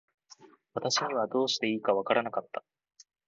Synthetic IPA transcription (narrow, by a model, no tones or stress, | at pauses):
βat̪aɕiɲ̟iβ̞ad̪o̞ːɕi̥t̪e̞iːkaβ̞akaɾanakat̪ːa